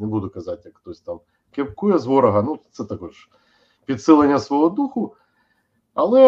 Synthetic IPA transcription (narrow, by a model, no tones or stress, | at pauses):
nɛbud̪ʊkɐzatʲjɐkxt̪ɔsʲt̪am | kʲep̚kujɛzʋɔɾɐɦɐnut̪sɛt̪ɐkɔʒ | pʲid̪sɪlˠenʲːɐsʋɔɦɔd̪uxʊ | ɐlˠɛ